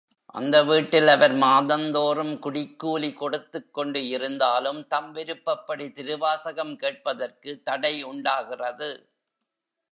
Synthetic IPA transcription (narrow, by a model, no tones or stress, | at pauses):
ʔɐ̰nd̪ɐʋiːʈːɪlɐʋɐɾmaːðɐnd̪oːrɯmkʊɽɪkːuːlikɔɽɯt̪ːɯkːɔɳɖɯɪɾɯnd̪aːlɯmt̪ɐmʋɪɾɯpːɐpːɐɽit̪ɪɾɯʋaːsɐɣɐmkeːʈ̚pɐðɐrkɯt̪ːɐɽɐɪʊɳɖaːɣɪrɐðɯ